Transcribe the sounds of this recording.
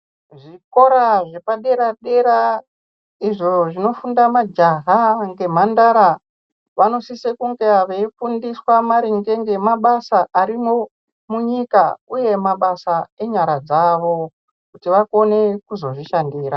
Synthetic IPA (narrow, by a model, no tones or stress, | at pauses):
ʐiko̞ɾaʐepaɗe̞ɾaɗe̞ɾa | iʐo̞ʐino̞fundamad͡ʒaɦaŋɡe̞m̤andaɾa | ʋano̞sisekuŋɡeaʋeifundiswamaɾiŋɡe̞ŋɡe̞maɓasaʔaɾimo̞ | muɲikauje̞maɓasae̞ɲaɾad͡zaʋo̞ | kutiʋakone̞kuzo̞ʐiʃandiːɾa